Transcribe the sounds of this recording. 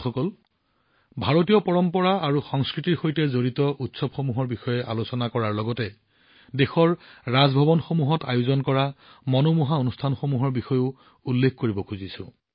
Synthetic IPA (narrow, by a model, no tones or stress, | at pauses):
xɔkɔl | bʱaɹotijɔpɔɹɔmpɔɹaaɹuxɔŋskɹitiɹxojtɛzoɹitɔʔutsɔbxomuɦɔɹbixɔjɛʔalosɔnakɔɹaɹlɔɡɔtɛ | dexɔɹɹazbʱɔbɔnxomuɦɔta̰jozɔnkɔɹamɔnomuɦaonustʰanxomuɦɔɹbixɔjʊ | ulːekʰkoɹibɔkʰuzisʊ̃